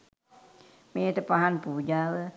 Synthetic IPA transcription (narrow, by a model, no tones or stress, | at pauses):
met̪əpaɦanpud͡ʒawə